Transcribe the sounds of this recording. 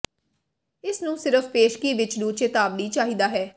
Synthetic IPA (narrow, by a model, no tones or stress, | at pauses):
ɪsnũːsɪɾəfpeːʃkiːʋɪt͡ʃlũːt͡ʃeːt̪aːbniːt͡ʃaːɦiːd̪aːɦɛː